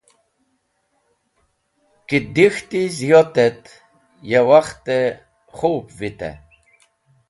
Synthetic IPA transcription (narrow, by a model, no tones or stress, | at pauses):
kid̪ixt̪izijot̪ɛt̪ | jewaχt̪e | χupvit̪ɛ̰